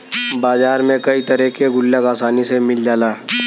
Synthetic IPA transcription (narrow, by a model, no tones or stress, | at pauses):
baːzaːɾmẽkɐit̪ɐɾɛkeɡʊlːəɡaːsaːnisemɪld͡ʒaːlaː